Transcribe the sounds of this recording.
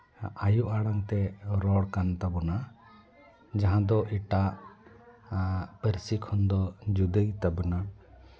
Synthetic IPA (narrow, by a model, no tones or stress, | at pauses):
ajuʔaɽaŋt̪ɛɾɔɽkant̪abɔna | d͡ʒaɦãd̪ɔʔiʈaʔ | pəɾsikʰɔnd̪ɔd͡ʒud̪əjt̪abuna